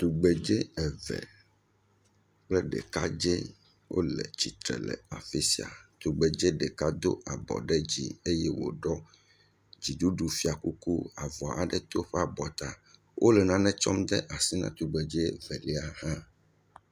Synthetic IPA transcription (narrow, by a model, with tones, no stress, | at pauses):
t̪u˨ɡ͡be˨d͡ʒe˦ɛ˨vɛ̰˨ | k͡plɛ˦ɖɛ̰˨ka˦d͡ʒe˦ | wʔo̰˦lɛ˨t͡ɕi˨t̪ɾɛ̰˨lɛ̰˨a˨fi˦si˨a̰˨t̪u˨ɡ͡be˨d͡ʒe˦ɖɛ˨ka˦d̪o̰˦ʔa˨bɔ̰˨ɖɛ˦d͡ʑḭ˦e˦jɛ˦wo̰˨ɖɔ˦ | d͡ʑi˨ɖu˦ɖu˨fi˨˦a˨ku˦ku˦a˨vɔ˨a˨ɖɛ˦t̪o˦ɸɛ˦a˨bɔ˨t̪a˨ | wʔo˦lɛ˨nã˦nɛ̃˦t͡ʃɔ˦md̪ɛ˦ʔa˨si˦nã̰˦t̪u˨ɡ͡be˨d͡ʒe˦vɛ˨lɛ˦a˨hã˦